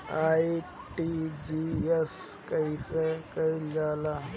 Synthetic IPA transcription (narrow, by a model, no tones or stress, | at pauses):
ai | ʈid͡ʒies | kəisekəilala